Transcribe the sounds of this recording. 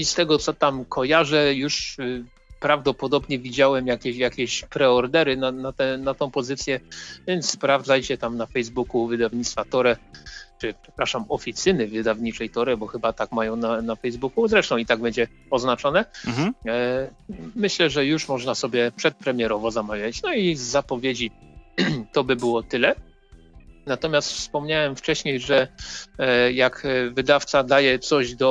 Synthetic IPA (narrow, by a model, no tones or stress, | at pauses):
ist̪ɛɡɔt̪sɔt̪amkʰɔjaʐɛjuʂ | pɾavd̪ɔpɔd̪ɔbɲɛvʲid͡ʑawɛmjakʲɛɕjakʲɛɕpɾɛɔɾd̪ɛɾɘnanat̪ɛnat̪ɔ̃w̃pɔzɘt̪sʲjɛvʲjɛnt̪sspɾavd̪zajt͡ɕɛt̪amnafɛjzbukuvɘd̪avɲit̪t̪fat̪ɔɾɛt͡ʂɘpʂɛ̥pɾaʂamɔfʲit̪sɘnɘvɘd̪avɲit͡ʂɛjt̪ɔɾɛbɔxɘbat̪akmajɔ̃w̃nanafɛjzbukuzɾɛʂt̪ɔ̃w̃it̪aɡ̚bɛɲd͡ʑɛ | ɔznat͡ʂɔnɛ | mɘɕlɛʐɛjuʂmɔʐnasɔbʲjɛpʂɛt̪̚pɾɛmʲjɛɾɔvɔzamavʲjat͡ɕnɔizːapɔvʲjed͡ʑi | t̪ɔbɘbɘwɔt̪ɘlɛ | nat̪ɔmʲjast̪fspɔmɲawɛmft͡ʂɛɕɲejʐɛ | jakvɘd̪aft̪sad̪ajɛt̪sɔʑd̪ɔ